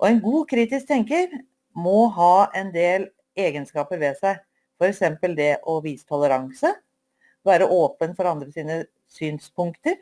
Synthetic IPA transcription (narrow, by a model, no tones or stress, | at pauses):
ʔɔɛnɡuːkʰɾiːt̪ɪsk̚t̪ʰɛŋkəɾ | mɔɦɑːɛnd̪eːl | eːɡənskɑːpəɾʋɛsæɪ | fɔɾɛksɛmpəld̪ɛʔɔʋiːsə̥t̪ʰɔləɾɑŋsə | ʋæːɾəʔoːpənfɔɾɑnd̪ɾəsiːnə | syːnspʰʊŋkt̪əɾ